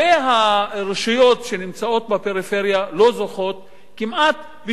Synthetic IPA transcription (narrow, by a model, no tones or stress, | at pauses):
eɦaʁeʃujo̞t̪ʃenimt͡sao̞t̪̚bepe̞ʁife̞ʁjalo̞zoχo̞t̪ | kimʔat̪ | bi